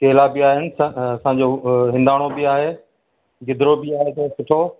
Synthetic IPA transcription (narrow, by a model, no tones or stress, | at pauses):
keɦɪlabɪaːɦɪnɪ̆saɐsãːɲd͡ʑoɦɪ̃nd̪aːɽ̃obɪaːɦeː | ɡɪd̪ɪɾobɪaːɦet̪ɐ̃sʊʈʰoː